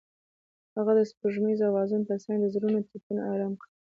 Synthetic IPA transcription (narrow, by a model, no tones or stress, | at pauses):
haɣad̪əspəʒmizawɑzʊnpəsɑŋɡd̪əzɾunot̪ipunaɾamki